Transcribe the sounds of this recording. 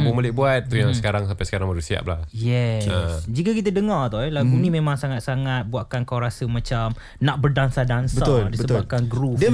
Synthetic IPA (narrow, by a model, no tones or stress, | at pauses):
bʊmolɪhbuat̪̚ːujaŋsə̥kaɾaŋsampajsə̥kaɾaŋməɾusia̰p̚la̰hjɛsd͡ʒikakit̪̬ədəŋat̪aɛlaɡunĩmẽmãŋsaŋat̪̚saŋat̪̚buaʔ̚kankawɾasəmãt͡ʃam | naʔ̚bərdansadansəaʊldisəət̪bap̚kanɡɾudiə